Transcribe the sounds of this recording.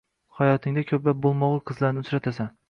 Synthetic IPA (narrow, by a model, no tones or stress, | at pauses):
hajɒt̪ʰɪŋd̪akʲʰɵplap̚bolˠmɒʁˠqʰɨzlaɾnɪʊt͡ʃɾat̪ʰasan